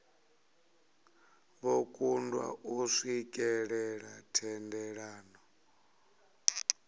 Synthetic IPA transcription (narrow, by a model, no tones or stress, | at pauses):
βokʼundwa̰ʔuʂikʼɛɺɛɺatʰɛndɛɺaːnɔ